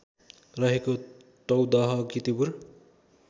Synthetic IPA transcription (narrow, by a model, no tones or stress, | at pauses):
rʌɦeko | t̪ʌwd̪ʌɦʌɡit̪ibur